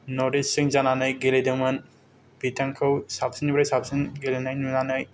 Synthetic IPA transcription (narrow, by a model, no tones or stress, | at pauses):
nɔɾdit͡ʃsɯŋzananɯjɡelejdɯmɯn | b̥itʰaŋkʰɯwsap̚sinibɾajsap̚sɯnɡelenajnunanɯj